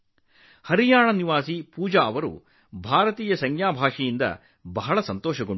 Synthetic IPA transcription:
hɐɾijaːɳɐniʋaːsipuːd͡ʒaɐʋɐɾṵ | bʱaːɾɐt̪iːjɐsɐŋɡjaːbʱaːʂijind̪ɐ̰ | bɐɦɐɭɐsɐnt̪ɔːʃɐɡoɳ

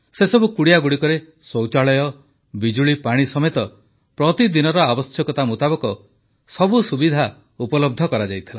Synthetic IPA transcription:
sesɔbukuɽijaɡuɽikɔɾe | sowt͡ʃaɭɔjɔ | bid͡ʒuɭipaɽ̃isɔmet̪ɔ | pɾɔt̪id̪inɔɾɔabɔsjɔkɔt̪amut̪abɔkɔ | sɔbusubid̪ʱa | upɔlɔb̚d̪ʱɔkɔɾad͡ʒajt̪ʰila

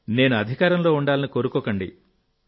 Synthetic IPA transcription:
ne̞ːnuɐd̪ʱikaːɾɐmlo̞ːuɳɖaːlɐnikoːɾukɔːkɐɳɖḭ

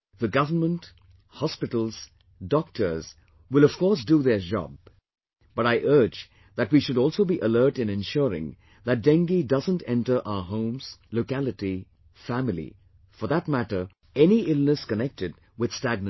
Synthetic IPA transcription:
ðɨɡʌvənmə̃nt | hɑspɪɾl̩ˠz̥ | dɔk̚tʰə˞z̥ | wɪlˠʌv̥kɔɹsduðə˞d͡ʒɑ̰b̚ | b̥ʌɾaɪʔɜ˞d͡ʒ | ðɨtwiʃʊɾɔlˠsoʊbiʔəlɜ˞tɨ̃nɨ̃nʃʊɹɪ̰̃ŋ | ðɨt̚d̥ɛ̃ŋɡidʌzə̃ntɛ̰̃ntə˞ʔaʊə˞ɦõʊ̃mz̥loʊkælɨti | fæmlḭ | fə˞ðət̚mæɾə˞ | ɛniʔɪlˠnɨskənɛk̚tɨd̚ | wɪð̥stæɡ̚nɨ

